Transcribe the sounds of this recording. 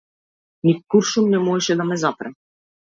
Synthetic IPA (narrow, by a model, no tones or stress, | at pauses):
nikuɾʃumnɛmɔɛʃɛd̪amɛzapɾɛ